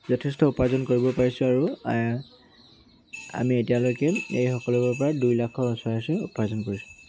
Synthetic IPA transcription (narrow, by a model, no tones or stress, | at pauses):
zɔtʰɛstɔupazɔnkoɹibɔpaɹisʊ̃aɹu | a̰mietialojkɛejxɔkɔlɔbɔpɔɹadujlakʰɔsɔasɛupazɔnkoɹisʊ̥